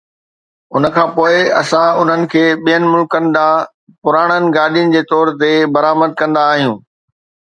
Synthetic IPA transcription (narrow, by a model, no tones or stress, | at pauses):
ʊnə̆kʰãːpoːɪɐ̰sãʊn̤ənɪ̆kʰeːɓijənɪ̆mʊlkənɪ̆d̪aː | pʊɾaːɽ̃ənɪ̆ɡaːɗijənɪ̆d͡ʑeːt̪ɔːɾt̪ebɐɾaːməd̪̚kɐ̃nd̪aːɦijũː